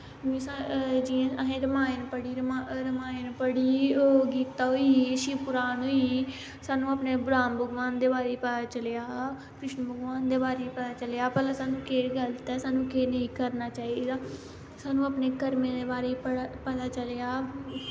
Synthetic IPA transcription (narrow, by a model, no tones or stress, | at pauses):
ĩːsad͡ʒiẽəɦẽːɾəmaːenpəɽiːɾəmaɾəmaːɪnpəɽiːoːɡiːt̪ːaːɦoiːʃɪpʊɾaːnɦoːiː | saːnũːaːpneːbɾaːnbəɡʋaːnd̪eːbaːɾeːipət̪aːt͡ʃəlejaː | kɾɪʃnbəɡʋaːnd̪eːbaːɾeːipət̪aːt͡ʃəljaːpɛːlãːsaːnũːkeːɡəlt̪ɛːsaːnũːkeːnəĩːkəɾnaːt͡ʃaːid̪aː | saːnũːaːpneːkəɾmẽːd̪eːbaːɾeːipəɽpət̪aːt͡ʃəleaː